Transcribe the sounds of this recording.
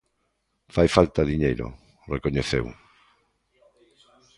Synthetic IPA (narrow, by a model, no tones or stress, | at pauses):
fajfalt̪aðiɲejɾo̰ | rekoɲeθḛw